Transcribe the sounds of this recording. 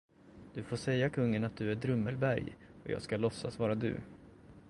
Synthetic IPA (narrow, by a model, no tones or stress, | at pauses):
d̪̥ɵfoːʂɛjːakʰɵŋːənat̪̚d̪ɵæɖɾɵmːəlbæɾjɔ̰jɑ̰ːɡskalɔsːasvɑːɾad̪ɵ̰